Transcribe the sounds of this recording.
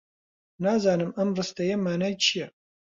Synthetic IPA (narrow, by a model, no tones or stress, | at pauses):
naːzaːnɨmɐmrɨstʰɐjɛmaːnajt͡ʃʰijɛ